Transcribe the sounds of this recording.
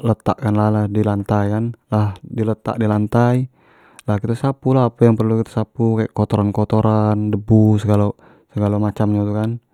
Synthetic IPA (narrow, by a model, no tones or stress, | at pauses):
lət̪a̰ʔkanlahlahdilant̪ajanlahdilət̪a̰ʔdilant̪ai | lahkit̪asapulaɦːpajaŋpərlukit̪ḁsapukajaʔkɔt̪ɔɾankɔt̪oɾʔandəbusəɡalo | səɡalomat͡ʃamɲat̪ukan